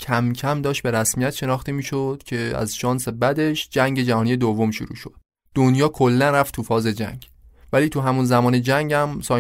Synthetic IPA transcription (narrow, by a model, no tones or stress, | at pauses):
cʰæmcʰæmd̪ɒːʃt̪̚be̞ɾæsmijæt̪ʃe̞nɒːxt̪emiːʃod̪̥cʰe̞æ̰zʃɒːnse̞bæd̪e̞ʃd͡ʒæŋɟe̞d͡ʒæhɒːnije̞d̪ovːo̞mʃuɾṵːʃo̰d̪̥ | d̪̥onjɒːkʰolːænræft̪ʰufɒːze̞d͡ʒæ̰ŋɟ | væliːt̪ʰuɦæmunzæmɒːne̞d͡ʒæŋɟæmsɒː